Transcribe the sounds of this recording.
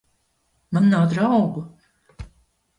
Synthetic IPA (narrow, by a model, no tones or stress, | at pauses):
mannawd̪ɾawɡu